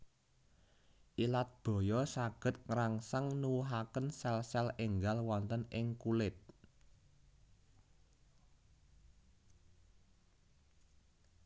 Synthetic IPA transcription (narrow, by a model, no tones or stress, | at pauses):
ʔilat̪̚b̥ɔ̤jɔsaɡ̥ə̤t̪̚ŋɾaŋsəŋnuwuɦakənsɛlsɛleŋɡalwɔnt̪ənɪŋkulɪt̪̚